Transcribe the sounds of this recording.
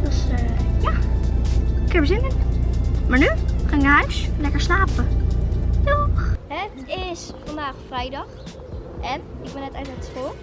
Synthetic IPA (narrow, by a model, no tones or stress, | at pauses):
d̥ɔsja | kənbəsɪndənmaɹnykanɡarslɛkəɹslaːpə | tɔxhɛ | ɪsfɔndaːxfrɛjdɔx | ɛnɪk̚bɛnɛtɛjnatsxolˠ